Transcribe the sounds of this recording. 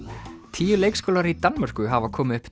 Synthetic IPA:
t̪ʰiːjʏleːjkskowlaɾit̪anmar̥kʏɦavakʰɔːmɪʏhp

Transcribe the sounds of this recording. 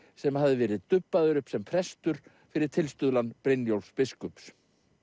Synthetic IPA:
sɛmhavðɪvɛːɾɪðt̪ʏpːaðʏɾʏpsɛmpʰɾɛst̪ʏɾ̥ | fɪɾɪɾ̥t̪ʰɪlst̪ʏðlanpɾejnjowlspɪskʏps

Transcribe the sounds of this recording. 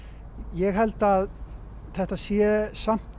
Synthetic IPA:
jɛɣɦɛlt̪að | θɛht̪asjɛsam̥t̪

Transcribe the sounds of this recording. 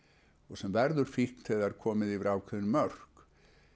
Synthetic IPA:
ɔɣsɛmvɛɾðʏɾ̥fihkt̪ʰɛðɛɾ̥kʰɔːmɪðivɪɾaːwkʰɛðnmœr̥k

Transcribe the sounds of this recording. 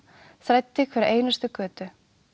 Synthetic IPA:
θɾajt̪ːɪkʰvɛɾɪʔeːjnast̪ʏkœːt̪ʏ

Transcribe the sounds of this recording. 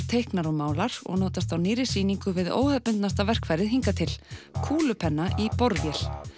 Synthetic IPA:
t̪ʰejhknaɾɔmaːwlaɾ̥ɔ̰ɣnoːwt̪ast̪awnɪːɾɪsiːniŋkʏvɪðo̰ːwhœpːʏnt̪nast̪avɛr̥kvajɾɪɦiŋkat̪ʰɪlkʰuːlʏpʰɛnːaʔipɔɾvjɛl̥

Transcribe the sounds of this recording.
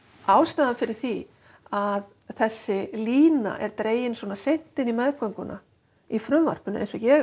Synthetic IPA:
aːwst̪aðafɪɾɪɾ̥θi | að | θɛsːɪliːna̰ʔɛɾt̪ɾeːjɪnswɔːnasejn̥t̪ɪnimɛðkœŋkʏnʔa̰ | ifɾʏmva̰r̥pʏnʏ̰ʔḛjnsɔjɛ

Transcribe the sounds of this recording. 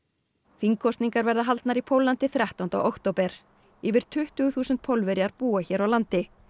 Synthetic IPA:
fiŋkʰɔst̪niŋkaɾvɛɾðaɦalt̪naɾipʰowlant̪ɪθɾjaht̪awnt̪a̰wʔowkt̪owpɛɾ̥ | ɪːvɪɾ̥t̪ʰʏht̪ʏɣθuːsʏnt̪̚pʰowlvɛɾjaɾpuːaçɛːɾawlant̪ɪ

